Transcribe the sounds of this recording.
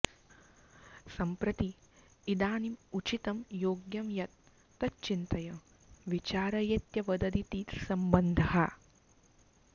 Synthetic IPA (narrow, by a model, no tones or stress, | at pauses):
sɐmpɾɐt̪i | id̪aːnimut͡ʃit̪ɐmjoːɡjɐmjɐt̪ː | ɐt͡ʃint̪ɐjɐm | ʋit͡ʃaːɾɐjɐt̪jɐʋɐd̪ɐd̪it̪iːt̪sɐmbɐnd̪ʱɐɦɐ